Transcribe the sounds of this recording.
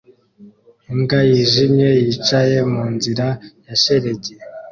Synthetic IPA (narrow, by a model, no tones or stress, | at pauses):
iŋɡajiʒimɲe̞jit͡ʃaje̞muːnziɾajaʃe̞ɾeɟe